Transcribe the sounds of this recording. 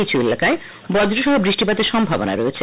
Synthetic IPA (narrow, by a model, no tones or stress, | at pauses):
it͡ɕʰuelakae | bɔd̪ɾoʃɔɦobɾiʃʈipad̪eɾʃɔmbʱabona̰ɾoet͡ɕʰe